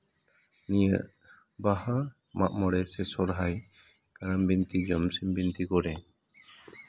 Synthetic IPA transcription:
nijəʔ | baha | maʔmɔɽɛsɛsɔɾɦaj | kaɾambint̪id͡ʒɔmsimbint̪ikɔɾɛ

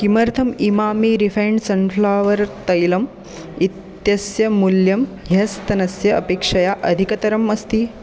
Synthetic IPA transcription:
kimɐɾt̪ʰɐmimaːmiːɾifʰeɳɖsɐnfʰlaːʋɐɾt̪ɐjlɐm | it̪jɐsjɐmuljɐmɦɐst̪ɐnɐsjɐɐpeːkʂɐjaʔɐd̪ʱikɐt̪ɐɾɐmɐst̪i

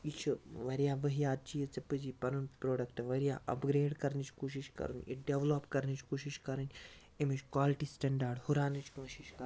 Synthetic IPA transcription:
it͡ʃʰɨʋɐɾijaːʋɐɦijaːt̚t͡ʃijɐt͡sɐpɨd͡ʒipɐnunpɾoːɖɐkʈʋɐɾjaːʔɐ̰pɡɾeːɖkɐɾnit͡ʃkoːʃ̬iʃkɐ̰ɾṵnʲḭɖeʋlopkɐɾnit͡ʃʰkoːʃiʃkɐɾɨnʲ | emit͡ʃkʋaːliʈisʈɐ̃ɳɖaɾɖhuɾaːnɨt͡ʃkɐ̃ːʃiʃkɐ

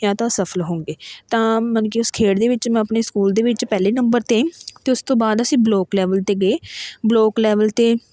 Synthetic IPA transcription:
jãːt̪ãːsəfʰəlɦõːŋɡeːt̪ãːmənkiʊskʰeːɽd̪eːʋɪt͡ʃmɛ̃ːəpneːskuːld̪eːʋɪt͡ʃpɛːleːnəmbəɾt̪ẽt̪eːʊst̪õːbaːd̪əsĩːbloːklɛːʋəlt̪eːɡeːbloːklɛːʋəlt̪eː

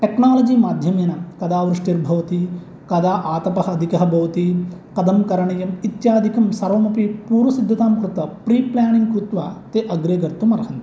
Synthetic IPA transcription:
ʈeknaːlɐd͡ʒiːmaːd̪ʱjɐmjɐnɐkɐd̪aːʋɾuʂʈiɾbʱɐʋɐt̪i | kɐd̪aːʔaːt̪ɐpɐɦɐɐd̪ʱikɐɦɐbʱɐʋɐt̪ikɐd̪ɐmkɐɾɐɳɐjɐmit̪jaːd̪ʱikɐmsɐɾɐːmɐpipuːɾʋɐsid̪ʱːɐt̪aːmkɾut̪ɐpɾiːplaːniŋɡkɾut̪ʋaːt̪eːʔɐɡɾeːɡɐɾt̪umɐɾɐɦɐnt̪

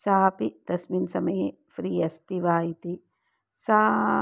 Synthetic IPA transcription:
saːpid̪̥ɐsminsɐmɐje | fɾiːɐst̪iʋaːjit̪i | saː

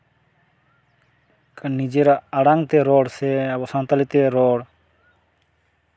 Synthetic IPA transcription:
kənid͡ʒeɾaəɽaŋɡt̪eɾoːɽsebosãnt̪əlit̪eɾoːɽ

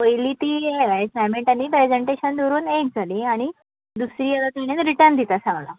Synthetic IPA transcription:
pəjliːt̪iːjeasɛmẽɳʈaniːpɾed͡zeɳʈeɕənd̪oɾuːnek̚d͡zʱaliːaɽ̃i | d̪usɾiːalat̪aɽ̃enɾiʈəɾnd̪ʱit̪asãŋla̰

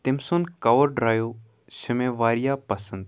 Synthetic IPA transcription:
t̪ɪmsonkɐʋəɾɖɾaːjoː | ʃəmẽːʋaːɾijaːpɐsənd̪

